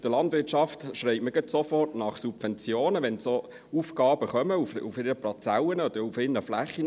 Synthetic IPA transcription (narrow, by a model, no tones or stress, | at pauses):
d̥əlɑndvɪtʃɑftʃrɛɪməɡœtsofɔrtnɑχsubvɛnt͡sjoːnəʋɛnso | uːfɡ̥ɑːbəχœməufṵfɪɾəplɑt͡sæwənəɔd̪̥əɾufɪnəflæχːən